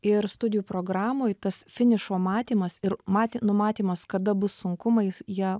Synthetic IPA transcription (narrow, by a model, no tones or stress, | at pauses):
ɪɾst̪ʊd̪ʲɪjuːpɾoːɡɾɑːmoːjt̪ɐsfʲɪnʲɪʃoːmɑːt̪ʲiːmɐsɪɾmɑːt̪ʲnʊmɑːt̪ʲiːmɐskɐd̪ɐbʊsːʊŋkʊmɐɪsjiɛ